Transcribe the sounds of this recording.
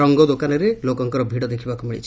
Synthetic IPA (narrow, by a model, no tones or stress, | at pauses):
ɔŋɡɔd̪okanɔɾelokɔŋkɔɾɔbʱiɽɔd̪ekʰibakumiɭḭt͡ʃʰi̥